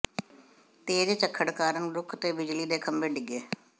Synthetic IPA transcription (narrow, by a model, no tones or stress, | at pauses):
t̪eːd͡ʒt͡ʃəkʰːəɽkaːɾəɳɾʊkʰt̪eːbɪd͡ʒliːd̪eːkʰəmbeːɖɪɡeː